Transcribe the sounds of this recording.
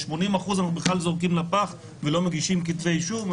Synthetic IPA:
ʃmo̞nimaχuzanaubeχlalzoʁk̬imlapaχ | velo̞meɡiʃimkit̪vejʃuv

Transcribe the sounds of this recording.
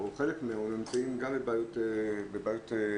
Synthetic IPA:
oχelekmeaonomt͡saimɡambebaːjot̪ebebaːjot̪e

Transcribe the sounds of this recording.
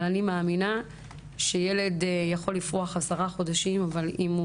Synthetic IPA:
lanimeaːmina | ʃe̞jele̞djaχo̞lːifʁoaχasaʁaχod̪aʃimavalim

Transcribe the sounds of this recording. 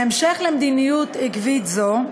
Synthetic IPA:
emʃeχlemd̪inijut̪ikvit̪zo

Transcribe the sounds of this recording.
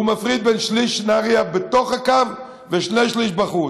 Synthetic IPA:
umafʁid̪̚bɛnʃliʃnaʁiabet̪oχakav | veʃnejʃliʃbaχu

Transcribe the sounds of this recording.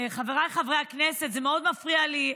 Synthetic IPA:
χaveʁajχavʁejaknese̞t̪zemeo̞d̪mafʁiali

